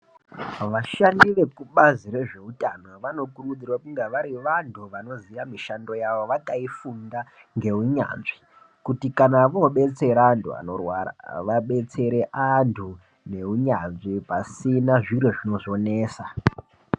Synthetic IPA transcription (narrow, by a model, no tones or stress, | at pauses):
ʋaʃandiʋe̞kuɓaziɾe̞ʐe̞utano̞ʋano̞kuɾud͡zirwakuŋɡaʋaɾiʋantʰuʋano̞ziʋamiʃando̞jaʋo̞ʋakaifundaŋɡe̞uɲa̰nʐi | kutikanaʋoɓe̞t͡se̞ɾaantʰua̰no̞rwaa̰ʋaɓe̞t͡se̞ɾe̞ʔantʰu | ne̞uɲanʐipasinaʐiɾoʐino̞ʐo̞ne̞ːsa